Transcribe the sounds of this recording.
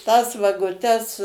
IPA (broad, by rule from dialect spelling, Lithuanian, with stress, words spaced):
tɐs ʋɐɡʊˈtʲɛs